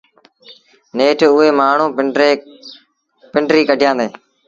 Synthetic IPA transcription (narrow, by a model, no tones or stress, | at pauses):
neːʈʰʊɦeːmaːɳ̤ũːeː | pɪɳɖɾiːkəɖʱɪjãːnd̪eː